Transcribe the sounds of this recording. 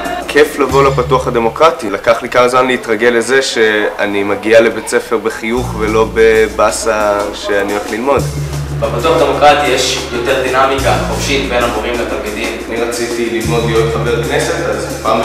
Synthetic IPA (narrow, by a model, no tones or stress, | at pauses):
kʰeflavo̞lapatuaχad̪e̞mo̞kʁatilakaχlikamazmanleitʁaɡe̞leze̞ʃe̞animaɡialebe̞t͡se̞fe̞ʁbeχijuχvelo̞be̞basaʃe̞anioleχlilmo̞dbepat̪uaχad̪emo̞kʁat̪ijeʃjo̞t̪eʁd̪inamikaχofʃit̪benamoʁimlet̪almid̪imaniʁat͡sit̪ililmo̞d̪lijotχabeʁknese̞t̪az | paːm